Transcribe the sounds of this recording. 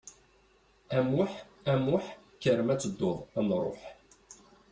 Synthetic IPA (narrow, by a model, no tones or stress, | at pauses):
æmʊħ | æmʊħkːəɾəmæt͡sːəd̪ːʊðˤæmɾˤo̰ħ